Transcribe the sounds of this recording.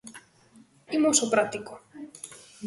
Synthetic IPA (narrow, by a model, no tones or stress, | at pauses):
imosopɾat̪iko